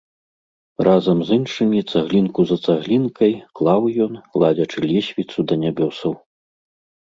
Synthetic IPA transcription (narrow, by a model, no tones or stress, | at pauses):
razɐmzɨnʂɨmʲit̪saɣlʲinkuzɐt̪saɣlʲinkɐjklˠawjɔnklˠad͡zʲɐt͡ʂɨlʲɛsʲvʲit̪sud̪ɐnʲabʲɔsɐw